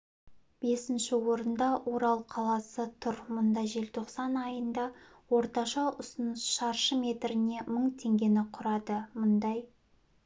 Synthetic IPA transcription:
b̥e̞sɪnʃɪwo̞ɾənd̪ɑwʔo̞ɾɑlˠqʰɑlˠɑsət̪ʰʊɾmʊnd̪ɑʒe̞lt̪ʰo̞qsɑnɑjənd̪ɑ | wo̞ɾt̪ɑʃɑʔʊsənəsʃɑɾʃəmʲe̞t̪ɾɪne̞məɴt̪ʰe̞ŋɡʲe̞nɪqʰʊɾɑd̪əmʊnd̪ɑj

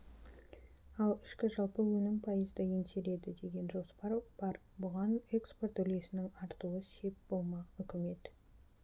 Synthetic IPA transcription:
ɑlˠɪʃkʲɪʒɑlˠpəwɵnɪŋpʰɑjəzd̪əjenseɾe̞d̪ɪd̪e̞ɡʲe̞nʒo̞spɑɾb̥ɑɾ | bʊʁɑne̞kspo̞rt̪ɵlɡʲe̞sɪnɪŋɑɾt̪uwəse̞p̚b̥o̞lˠmɑʏkʲɪme̞t̪

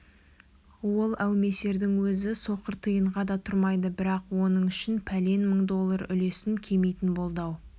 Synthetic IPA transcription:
wo̞lˠæwme̞se̞ɾd̪ɪŋwɵzɪso̞qəɾt̪ʰəjəɴʁɑd̪ɑt̪ʰʊɾmɑjd̪əbɪɾɑqwo̞nəɴʏʃɪnpʰæle̞nməɴd̪o̞lˠːəɾʏ̰le̞sɪŋkʲʰe̞mejt̪ɪnbo̞lˠd̪ɑw

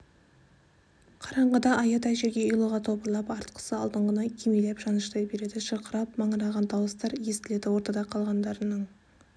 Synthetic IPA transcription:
qʰɑɾɑɴʁəd̪ɑʔɑjɑt̪æʃeɡʲe̞əjlˠuʁɑt̪ʰo̞pəɾlˠɑpɑɾt̪qʰə̥səɑlˠd̪əɴʁənɑkʲʰemelepʒɑnəʃt̪ɑjbe̞ɾe̞d̪ɪʃəqəɾɑpmɑɴəɾɑʁɑnt̪ʰɑwəst̪ɑɾje̞st̪ɪle̞d̪ɪwo̞ɾt̪ɑd̪ɑqʰɑlˠʁɑnd̪ɑɾənəɴ

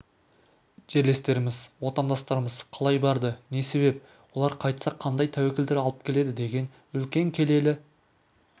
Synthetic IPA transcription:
ʒ̥e̞ɾle̞st̪e̞ɾɪmɪzwo̞t̪ɑnd̪ɑst̪ɑɾəməzqʰɑlˠɑjbɑɾd̪əne̞se̞βe̞p̚ | wo̞lˠɑɾqʰɑjt̪sɑqʰːɑnd̪ɑjt̪ʰæwekʲeld̪eɾɑlˠəp̚kʲʰe̞le̞d̪ɪd̪e̞ɡʲe̞n | ʏlkʲe̞ŋkʲʰe̞le̞lɪ

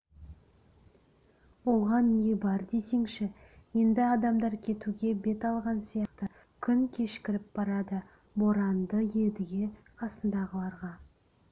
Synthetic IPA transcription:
wo̞ʁɑnːe̞bɑɾd̪e̞se̞ŋʃɪje̞nd̪ɪɑd̪ɑmd̪ɑɾkʲʰe̞t̪uɡʲe̞be̞t̪ɑlˠʁɑnsijɑqt̪ə | kʲʰʏŋkʲʰe̞ʃkʲɪɾɪp̚b̥ɑɾɑd̪ə | bo̞ɾɑnd̪əje̞d̪ɪɡʲe̞ | qʰɑsənd̪ɑʁəlˠɑɾʁɑ

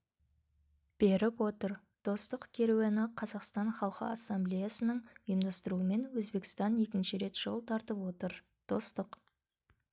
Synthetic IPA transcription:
b̥e̞ɾɪpwo̞t̪əɾ | d̪̥o̞st̪əqkʲʰe̞ɾewenəqʰɑzɑqst̪ɑnχɑlˠqə̰ɑsːɑmblʲejasənəɴəjəmd̪ɑst̪əɾuəme̞nwɵzbe̞kʲɪst̪ɑne̞kʲɪnʃɪɾe̞t̪ʒ̥əlˠt̪ʰɑɾt̪əpwo̞t̪əɾ | d̪̥o̞st̪əq

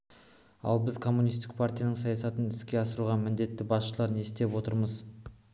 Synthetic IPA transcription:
ɑ̰lˠbɪzkʰo̞mːunijst̪ɪk̚pʰart̪ijanəɴsɑjɑsɑt̪ənɪskʲe̞ɑsəɾuʁɑmɪnd̪e̞t̪ːɪbɑsʃəlˠɑɾne̞st̪e̞pwo̞t̪əɾməz

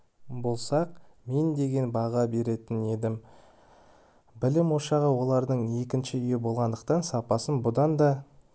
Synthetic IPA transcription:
bolˠsɑq̚me̞nd̪e̞ɡʲe̞nbɑʁɑbe̞ɾe̞t̪ɪne̞d̪ɪm | bɪlɪmwo̞ʃɑʁəwo̞lˠɑɾd̪əɴe̞kʲɪnʃɪʏjɪbo̞lˠʁɑnd̪əq̚t̪ɑnsɑpɑsənbʊd̪ɑnd̪ɑ

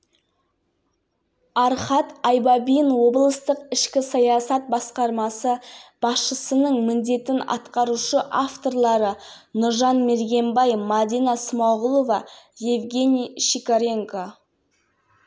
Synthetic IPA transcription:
ɑɾχɑt̪ɑjbɑbijənwo̞blˠəst̪əqɪʃkʲɪsɑjɑsɑt̪̚bɑsqɑɾmɑsəb̥ɑsʃəsənəɴmɪnd̪e̞t̪ɪnɑ̰t̪qɑɾuʃəʔaft̪o̞rlˠɑɾə | nʊɾʒɑnme̞ɾɡʲe̞mbɑjmad̪inɑsəmɑʁʊlˠovɑjevɡʲe̞nʲijʃikaɾʲe̞ŋko

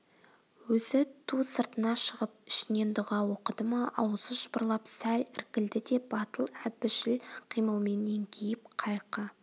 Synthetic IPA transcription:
wɵzɪt̪ʰusəɾt̪ənɑʃəʁəpɪ̥ʃɪne̞nd̪ʊʁɑwo̞qəd̪əmɑʔɑwəzəʒəbə̆ɾlˠɑpsælɪɾkʲɪld̪ɪd̪e̞b̥ɑt̪əlˠæbɪʃɪlqʰijməlˠme̞nːe̞ŋkʲʰejɪp̚qʰɑjqə

